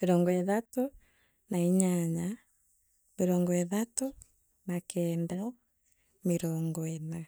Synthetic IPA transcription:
meɾɔːŋɡɔeðato | naiɲaɲa | meɾɔːŋɡɔeðatu | nakɛːnda | meɾɔːŋɡɔena

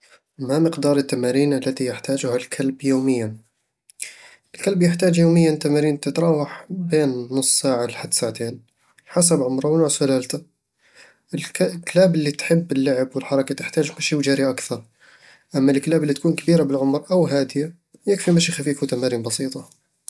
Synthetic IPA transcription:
maməqd̪ɑːɾˤət̪ːamaɾiːnʔalːæt̪ijɪħt̪aːʒʊhalkʰalbjoːmɪjːa | ʔlkalbjəħt̪aːd͡ʒjoːməjːant̪amaɾiːnt̪ət̪ɾˤɑːwaħbeːnːʊsˤːsaːʕalħad̪ːsaʕt̪eːn | ħas̬abʕʊmɾˤɑwnʊʕsʊlalt̪a | ɪlklaːbɪlːit̪ħɪbːɪlːaʕəbwɪlħɑɾˤɑkat̪ɪħt̪aːʒkʊʃiːwʒaːɾiʔakθɑɾˤ | ʔamːalklaːbɪlːit̪̚kuːnkabiːɾabɪlʕʊmɾˤʔawɦaːd̪ɪja | jɪkfimaʃixafiːfut̪amaɾiːnbɑsiːt̪ˤɑ

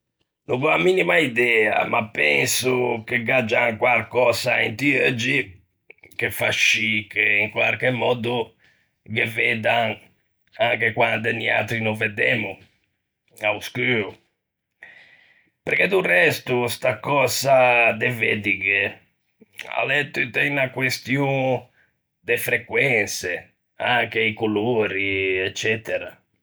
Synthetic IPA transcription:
nɔɣɔamiːnimaid̪ɛːa̰mapːɛnsukɛɡad͡ʒaŋkwalkɔːzaɛnt̪iød͡ʒi | kefaʃikeiŋkwa̰ɾkɛmːɔːd̪u | ɡɛvɛd̪aŋ | aŋkɛkwand̪ɛnia̰t̪ɾinɔvɛd̪ɛːmu | auskyːɾu | peɾked̪urɛst̪ust̪akɔzad̪eved̪iɡe | a̰lɛt̪ːut̪ɛnakwest̪juŋ | d̪efɾekwɛnse | aŋk̟eikuloːɾiɛt͡ʃːɛt̪ɛɾa̰

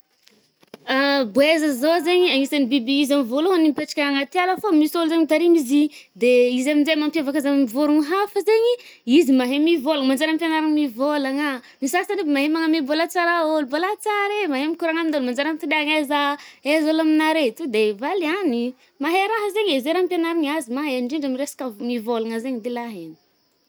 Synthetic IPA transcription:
aboezəzozeɲiaŋisanibibiizamivoloɦanimpeʈ͡ʂḁkʲaaŋat̪ialəfomisoluzeɲit̪aɾimizid̪eizaminzemampavakazamimivuɾuŋiɦafəzeɲiizimaɦemivolaŋmand͡ʒaɾampjanaɾaŋmivolaŋa | misasanibimaɦemaŋəmibolat͡saɾaolubolat͡saɾemaɦemikuɾaŋamid̪olmand͡ʒaɾamt̪id̪eaŋazaezolaminaɾet̪ud̪evaliani | maɦeɾaɦəzeɲezeɾampjanaɾaɲazimaɦeɳɖ͡ʐiɳɖ͡ʐamiresḁkamivolaŋəzeɲid̪elaɦeni̥

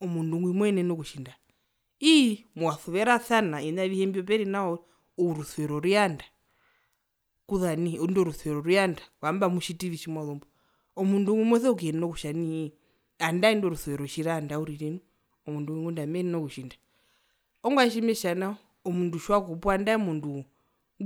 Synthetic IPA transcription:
ɔmunduŋɡwimwɛnɛnɔkuʃinda | imuwaθuβɛɾaθanaiɲaβihɛmbiɔp̬ɛɾinaɔ | uɾuθuɛɾɔɾianda | kuðanindɔɾuθwɛɾɔɾiandakwambamuʃitiʋiʃimwaðɔmbɔ | ɔmunduŋimwɛθɛɔkɛninɔkuʃani | andaindɔɾuθuɛɾɔʃiɾandauɾiɾɛnu | ɔmunduŋiŋɡundamɛninɔkuʃinda | ɔŋɡwaʃ̬imɛʃanaɔ | ɔmunduʃwakɔpwandaɛmundu

